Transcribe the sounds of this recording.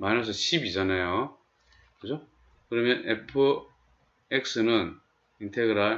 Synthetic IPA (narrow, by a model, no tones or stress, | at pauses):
manʌs̬ʰʌɕʰibid͡ʑʌnajo | kɯd͡ʑo | kɯɾʌmjʌnepʰɯ | ek̚s͈ɯnɯn | intʰeɡɯɾa